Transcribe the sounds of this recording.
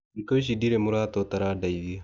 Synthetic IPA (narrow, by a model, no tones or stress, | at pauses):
ŋkaʃ̬idiɾemuɾaːt̪ot̪ɐɾaːdajdia